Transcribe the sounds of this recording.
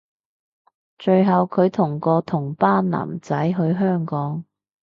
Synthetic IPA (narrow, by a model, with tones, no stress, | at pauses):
t͡ʃɵ˧ɥɦɐ˨wkʰɵ˨˧ɥt̪ʰʊ˨˩ŋkɔː˧t̪ʰʊ˨˩ŋpaː˥nna̰ː˨˩mt͡sɐ˨˥jɦɵ˧ɥɦœː˥ŋkɔː˨˥ŋ